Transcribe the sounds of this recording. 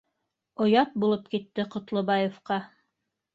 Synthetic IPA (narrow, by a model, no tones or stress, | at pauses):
ŏjɑt̪̚bulˠɤp̚kit̪ːɘqŏt̪lˠŏbɑjefqɑ